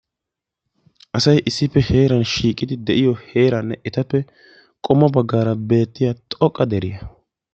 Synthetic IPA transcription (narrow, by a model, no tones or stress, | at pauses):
ʔɐsɐjʔɪsːɪpːɛhe̞ːɾɐnʃiːkʼːɪd̪ɪd̪ɛʔɪjɔhe̞ːɾɐnːɛʔɛt̪ɐpːɛ | kʼɔmːɐbɐɡːaːɾɐbe̞ːt̪ːɪjat̪ʼɔkʼːɐd̪ɛɾɪjɐ